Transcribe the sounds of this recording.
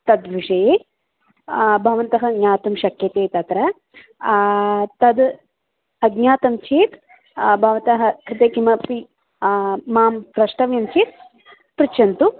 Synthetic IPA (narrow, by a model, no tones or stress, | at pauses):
t̪ɐd̪ʋiʂɐjeː | bʱɐʋɐnt̪ɐɦɐɡɲaːt̪umʃɐkjɐt̪eːt̪ɐt̪ɾɐ | t̪ɐd̪ | ɐɡɲaːt̪ɐmt͡ʃiːt̪ | bʱɐʋɐt̪ɐɦɐkɾɪt̪eːkimɐpiː | aːmpɾɐʂʈɐʋjɐmt͡ʃiːt̪ | pɾit͡ʃɐnt̪u